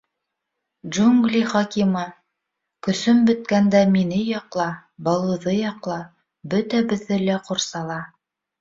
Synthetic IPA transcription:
ʒuŋɡlʲiχɑkimɑ | kɵ̆sɵmbɵ̆t̪̚kænd̪æminɘjɑqlˠɑbɑlˠɤ̆ðɤjɑqlˠɑ | bɵt̪æbɵ̆ðːɘlæqoɾsɑlˠɑ

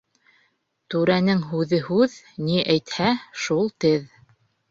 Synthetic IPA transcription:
t̪ʉɾænɘŋɦʉðɘɦʉð | niʔæjt̪hæʃulˠt̪ɘð

